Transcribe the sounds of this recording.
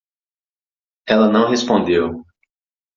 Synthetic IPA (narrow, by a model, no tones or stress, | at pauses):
ɛlɐnɐ̃w̃ɦespõnd̪ew